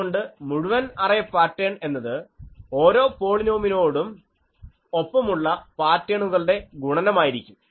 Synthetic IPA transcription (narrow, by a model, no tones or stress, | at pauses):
oɳɖɨmuɽuʋɐnɐrɐjɐpːaːtːe̞ːɳe̞nːɐðɨo̞ːɾo̞ːpo̞ːɭinoːmino̞ːɽum | opːɐmuɭːɐpaːtːjɐɳuɣɐɭɽe̞ɡuɳɐnɐmaːjiɾikʲːum